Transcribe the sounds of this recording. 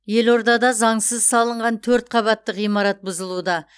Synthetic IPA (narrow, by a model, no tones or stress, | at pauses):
je̞lo̞ɾd̪ɑd̪ɑzɑɴsəzsɑlˠəɴʁɑnt̪ʰɵɾt̪̚qʰɑβɑt̪ːəqijmɑɾɑt̪̚bʊzəlˠud̪ɑ